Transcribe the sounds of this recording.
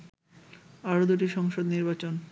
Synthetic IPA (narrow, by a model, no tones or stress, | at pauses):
aɾod̪uʈiʃɔŋʃod̪niɾbat͡ɕon